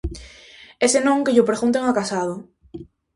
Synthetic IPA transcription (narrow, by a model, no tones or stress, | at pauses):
esenõŋkeʎopɾeɣunt̪eŋakasaðo